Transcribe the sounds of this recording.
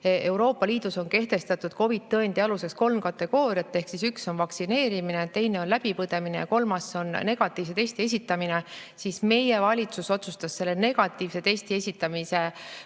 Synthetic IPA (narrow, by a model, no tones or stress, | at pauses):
ʔe̞wɾo̞ːpːˑɑliːd̪̥uso̞nke̞ht̪e̞st̪ɑt̪ːˑud̪̥ko̞vit̪ːɤend̪iɑluse̞ksko̞lmkɑt̪ːˑe̞ɡ̥o̞ːɾiɑt̪ˑːe̞hksisykso̞nvɑksine̞ːɾiminet̪ːe̞jne̞onlæb̥ipɤd̪̥e̞mine̞jɑko̞lmɑso̞nne̞ɡ̥ɑt̪ːˑiːvs̬e̞t̪e̞sʲt̪ie̞s̬ʲit̪ːˑɑmine̞sisme̞je̞vɑlʲit̪suso̞t̪sust̪ɑsːe̞lːe̞ne̞ɡ̥ɑt̪ːˑiːvse̞t̪e̞sʲt̪iesʲit̪ːˑɑmise̞